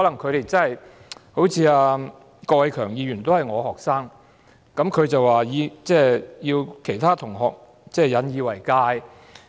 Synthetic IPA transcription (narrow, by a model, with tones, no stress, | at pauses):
hɔː˨˥lɐ˨˩ŋkʰɵ˨˧ɥɾe˨˩jt͡sɐ˥nhɐ˨jho˨˥wt͡sʰiː˨˧aː˧ | kɔː˧wɐ˨˧jkʰœː˨˩ŋjiː˨˧ɥyː˨˩nt̪o˥whɐ˨˩jŋɔː˨˧hɔː˨˩k̚saː˥ŋ | kɐ˨˥mkʰɵ˨˧ɥt͡sɐ˨waː˨jiː˨˧t͡sɛː˥˩jiː˧wkʰe˨˩jt̪ʰaː˥t̪ʰʊ˨˩ŋɦɔː˨k̚ | t͡sɛː˥˩jɐ˨˧˥njiː˨˧wɐ˨˩jkaː˧j